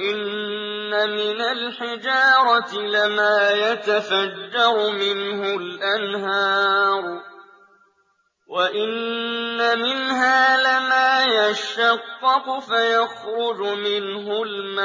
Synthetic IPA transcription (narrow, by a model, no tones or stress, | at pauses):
ʔɪnː | amɪnalħɪd͡ʒɑːɾˤɑt̪ɪlɪmaːjat̪afad͡ʒːɑɾˤʊmɪnɦʊlʔanɦɑːɾˤ | waʔɪnːamɪnɦaːlɪmaːjaʃɑqːɑqʊfajɑxɾʊd͡ʒʊmɪnɦʊlma